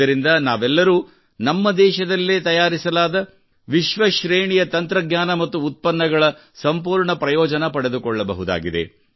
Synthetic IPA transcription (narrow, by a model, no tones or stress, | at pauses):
ɐɾind̪ɐnaːʋɛlːɐɾuː | nɐmːɐd̪ɛːʃɐd̪ɐlːeːt̪ɐjaːɾisɐlaːd̪ɐ | ʋiʃʋɐʃɾeːɳijɐt̪ɐnt̪ɾɐɡɲaːnɐmɐt̪ːuːt̪̚pɐnːɐɡɐɭɐ | sɐmpuːɾɳɐpɾɐjɔːd͡ʒɐnɐpɐɽe̞d̪ukɔɭːɐbɐ̰ɦud̪a̰ːɡid̪ḛ